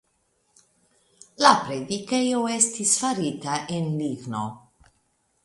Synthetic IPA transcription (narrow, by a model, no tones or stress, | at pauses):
lapɾed̪ikejoɛst̪isfaɾiːt̪aʔinliɡno